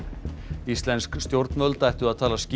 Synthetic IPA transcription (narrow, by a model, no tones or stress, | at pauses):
ist̪lɛnskst̪jowɾt̪nœlt̪ajht̪ʏaðt̪ʰaːlasc